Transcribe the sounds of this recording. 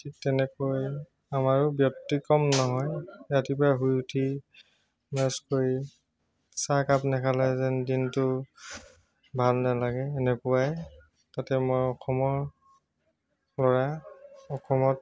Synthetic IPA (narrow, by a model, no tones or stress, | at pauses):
itɛnɛkoj | amaɹʊbjɔk̚tikɔmnɔɦɔjjatipaɦujutʰi | naskoɹi | sakapnɛkʰalɛzɛndintʊ | bʱalnalaɡɛːnɛpʊwaj | tatɛmojɔxʰɔmɔɹ | lɔɹaɔkʰɔmɔt̚